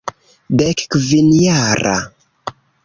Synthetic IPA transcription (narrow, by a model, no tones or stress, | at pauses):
dɛkkvinjaɾa̰